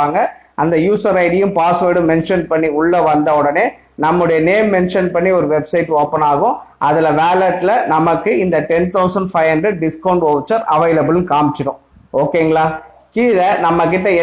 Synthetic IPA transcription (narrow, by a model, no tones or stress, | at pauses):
aːŋɡɐ | ɐnd̪ɐjuːsɐɾɐɪɽɪjɯ̃mpaːsʋeːɽɯ̃mɛnʂɐnpɐɳːiʊɭːɐʋɐnd̪ɐɔɽɐneː | nɐmːɯɽɐjɐneːmːɛnʂɐnpɐɳːiɔɾɯʋɛbsɐɪʈːoːpːɐnaːɣʊ̃ | ʔɐðɪlɐʋaːlɐʈːlɐnɐmɐkːɯɪnd̪ɐʈɛnt̪ɐʊsɐɳɖfɐɪɦɐɳɖɾɛɖ̚ɖɪskɐʊɳɖoːʋt͡ʃːɐɾɐʋɐɪlɐbɯlɯnkaːmɪt͡ʃːɪɾʊ̃ | oːkːeːŋɡɐɭaː | kiːðɐnɐmːɐk̬ːɪʈːɐɛ